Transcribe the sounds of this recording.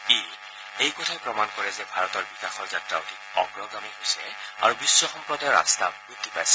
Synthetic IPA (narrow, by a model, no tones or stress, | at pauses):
i | ejkɔtʰajpɹɔmankɔɹɛzɛbʱaɹɔtɔɹbikaxɔɹzatɹa̰otʰi | ɔɡɹɔɡamiɦojsɛa̰ɹubisːɔxɔmpɹɔdajɹa̰st̪aɡut̪ːipajsɛ